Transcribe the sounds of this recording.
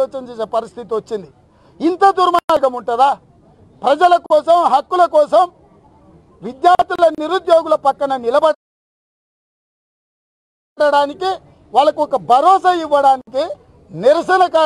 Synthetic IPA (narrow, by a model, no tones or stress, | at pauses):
ɔːt͡ʃɐmt͡ʃeːseːpɐɾist̪ʰit̪iot͡ʃːind̪i | int̪ɐd̪uɾmaaːɡɐmuɳʈuɐd̪aː | pɾɐd͡ʒɐlɐkɔːsɐmɦɐkːulɐkɔːsɐm | ʋid̪jaːɾt̪lɐniɾud̪joːɡulɐpɐkːɐnɐnilɐbɐ | ɽɐɽaːniki | ʋaːɭɐkuɔkɐbʱɐɾɔːsɐiʋːɐɽaːniki | niɾɐsɐnɐkaː